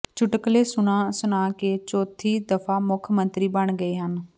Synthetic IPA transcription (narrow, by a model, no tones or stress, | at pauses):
t͡ʃʊʈəkleːsʊɽ̃aːsʊnãːket͡ʃoːt̪ʰiːd̪əfʰaːmʊkʰmə̃nt̪ɾiːbəɳ̃ɡəeːɦən